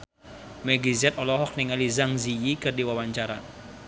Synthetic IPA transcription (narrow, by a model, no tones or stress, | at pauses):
mɛɡizɛt̪ɔlɔɦɔk̚niŋalizaŋzijikɨrdiwawaɲt͡ʃaɾa